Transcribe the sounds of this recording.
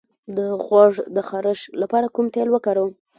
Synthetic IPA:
d̪əɣwɑʐd̪əxaɾəʃlapɑɾakumt̪elwəkaɾəw

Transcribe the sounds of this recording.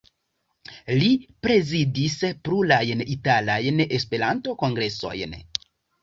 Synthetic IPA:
lipɾe̞zidispɾulajnitalajne̞spe̞ɾanto̞ko̞ŋɡɾe̞so̞̰jn

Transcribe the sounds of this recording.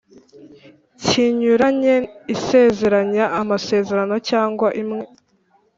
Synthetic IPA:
ciɲuɾaɲeise̞ːze̞ɾaɲaʔamase̞ːze̞ɾano̞caːŋɡwaʔimŋe̞

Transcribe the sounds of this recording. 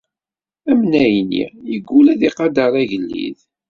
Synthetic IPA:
æmnæjnḭjəɡʷːulæðiqɑd̪ɑɾˤæʝəlːḭð

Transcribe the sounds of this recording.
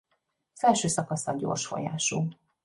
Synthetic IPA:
ɒz̥ɛlʃøːsɒkɒsɒɟo̰ːrʃfo̞̰ja̰ːʃoː

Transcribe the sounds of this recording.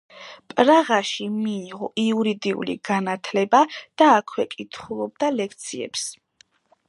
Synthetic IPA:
pʼɾaʁaʃimiːʁɔʔiuɾid̪iṵlḭɡ̥anat̪ʰlɛbad̪̥aːkʰwɛkʼit̪ʰχulˠɔb̚d̪alɛkʰt̪sʰiɛ̰ps

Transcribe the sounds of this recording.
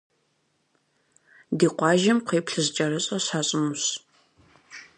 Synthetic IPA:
diːqʷɑːʒɪmqeːpʰɬɨzt͡ʃʼɐɾɨɕʼɐɕaːɕʼɨmuɕ

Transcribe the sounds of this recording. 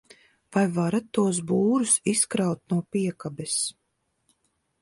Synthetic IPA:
v̥ajvaɾat̪ːuɔs̬buːɾusiskɾawt̪̚nuɔpiɛkabɛs

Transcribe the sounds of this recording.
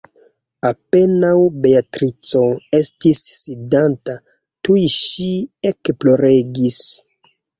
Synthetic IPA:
ape̞nawbeatɾit͡soe̞stisːidanta | tujʃiekplo̞ɾe̞ɡis

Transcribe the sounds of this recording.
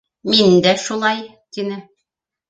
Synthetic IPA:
mind̪æʃulˠɑjt̪inɘ

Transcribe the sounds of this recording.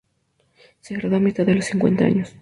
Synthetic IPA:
seɣɾaðoamit̪aððelo̞siŋkwe̞̰nt̪aa̰ɲos

